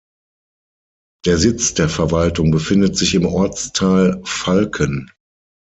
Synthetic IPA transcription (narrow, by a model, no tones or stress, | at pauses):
d̥eːɐzɪt͡sd̥eːɐfɛɐvaltʊŋbəfɪndətz̥ɪçɪmʔɔɐt͡stʰaːlfalkʰən